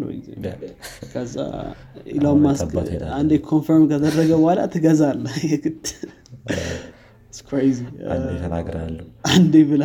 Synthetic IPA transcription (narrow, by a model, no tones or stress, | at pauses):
l̰w̰z̰ | kʰəzːa̰ | ɪ̰lamːasand̪ekʰonfəɾmkʰəd̪ərːəɡəwala̰t̪ʰɨɡəzalːəhjɛɡɨt̪ː | ɪskʰɾejzia̰nd̪et̪ʰəna̰ɡɾa̰lːəʔand̪ebɨla